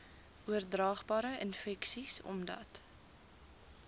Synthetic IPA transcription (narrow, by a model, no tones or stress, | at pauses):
ʔuərdrɑːχbɑːɾəʔənfɛksisɔ̰mdɐ̰t